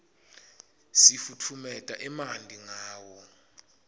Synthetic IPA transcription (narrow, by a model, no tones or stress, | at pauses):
sifutʰumɛtʼaʔɛmandʱiŋaːwɔ